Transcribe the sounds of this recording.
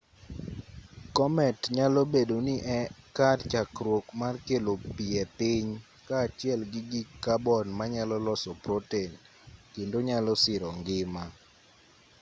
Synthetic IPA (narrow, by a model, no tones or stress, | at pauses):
kɔmɛtɲalobedonɪʔɛkatt͡ʃakɾwokmarkelopiɛpɪɲ | kaːt͡ʃɪɛlɡɪɡikːabɔnmaɲalɔlɔsɔpɾoten | kendoɲalɔsɪɾɔŋɡɪma